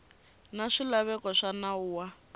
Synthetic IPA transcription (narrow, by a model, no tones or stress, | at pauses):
naʂilaβɛkɔʂanauːwa